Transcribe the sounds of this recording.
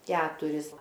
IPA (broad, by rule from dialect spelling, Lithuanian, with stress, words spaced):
ˈkʲæːtʊrʲɪs